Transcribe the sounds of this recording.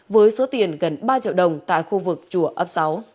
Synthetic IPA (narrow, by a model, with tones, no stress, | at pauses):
vəː˨˦jso˨˦t̪i˨˩ənɣə˨˩nɓaː˧t͡ɕi˧˨əwɗə˨˩wŋ͡mt̪a̰ː˧˨jxu˧vɨ˨˩k̚t͡ɕu˧˩əʔə˦˥p̚sa˨˦w